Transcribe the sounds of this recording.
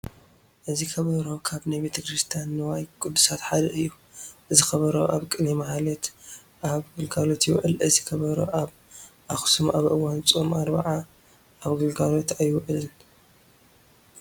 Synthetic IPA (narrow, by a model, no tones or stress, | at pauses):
ʔɨzikʰɐβɐɾo̞kʰaβnajbet̪ʰɐkɾist̪ʰijanːɨwajkʼud̪ːusat̪ħad̪ɐʔɨjːu | ʔɨzixɐβɐɾo̰ʔaβkʼɨnimahalet̪ | ʔaβɡɨlɡalot̪jɪw̰ʔɨlʔɨzikʰɐβɐɾo̰ʔaβ | axsumʔaβʔɨwant͡sʼumaɾba̰ʕa | aβɡɨlɡalo̞t̪ajɪwʔɨlɨn